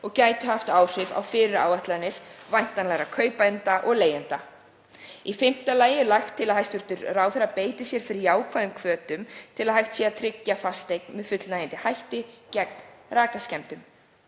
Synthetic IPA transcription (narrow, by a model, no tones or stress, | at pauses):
ɔɣcaːjt̪ʏhaft̪aːwr̥ɪva̰wfɪːɾɪɾa̰ːwvaht̪lanːɪɾ̥vajn̥t̪anlɛɾakʰœːɥpaɪnt̪aʔɔɣleːjɛnt̪a | ifɪm̥t̪alaːjɪɾlajxt̪ʰːɪlaðhajst̪ʏɾ̥t̪ʏɾraːwθɛɾapeːjt̪ɪsjɛɾ̥fɪɾiaːwkʰvaðʏmkʰvœːt̪ʏmt̪ʰɪlaðhajxt̪siaðt̪ʰɾɪcːafast̪ejk̚nmɛðfʏt̪lnajɪnt̪ɪhajht̪ɪcɛk̚nraːkascɛmt̪ʏm